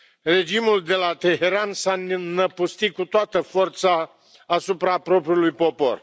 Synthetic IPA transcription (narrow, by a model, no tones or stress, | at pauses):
re̞d͡ʒimuld̪e̞lat̪e̞ɦe̞ɾansannəpust̪ikut̪oat̪əfo̞rt̪saː | supɾapɾo̞pɾiulujpo̞po̞̰r